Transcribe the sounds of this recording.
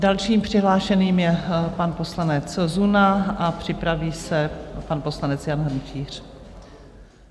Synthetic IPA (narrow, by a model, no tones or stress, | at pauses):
dalʃiːmpr̝̥ɪɦlaːʃɛniːmjɛpanposlanɛt͡szunaʔapr̝̥ɪpɾaviːsɛpanpo̞slanɛt͡sjanɦr̩mt͡ʃiːr̝̥